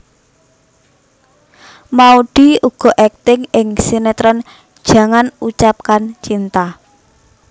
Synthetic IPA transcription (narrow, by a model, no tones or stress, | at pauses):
mauɖ̥i̤uɡ̥ɔ̤ʔɛk̚t̪ɪŋɪŋsinet̪ɾɔn̥ | ʒ̥ä̤ŋanut͡ʃap̚kant͡ʃint̪a